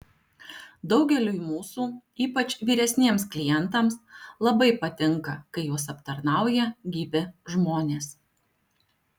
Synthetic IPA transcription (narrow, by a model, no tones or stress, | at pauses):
d̪ɒʊɡʲɛlʲuːmuːsuːiːpɐt͡ʃʲʋʲiːɾʲɛsʲnʲiɛmsklʲɪjɛnt̪ɐmslˠɐbɐɪpɐt̪ʲɪŋˑkɐkɐɪjuɔsɐpt̪ɐɾnɑˑʊjɛɡʲiːbʲɪʒmoːnʲeːs